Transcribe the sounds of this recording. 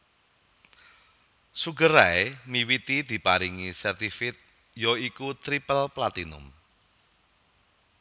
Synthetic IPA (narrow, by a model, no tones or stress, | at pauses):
suɡəɾaemiwit̪id̪̥i̤paɾiŋisɛrt̪ifɪt̪̚ | jɔikut̪ɾipəlplat̪inʊ̰m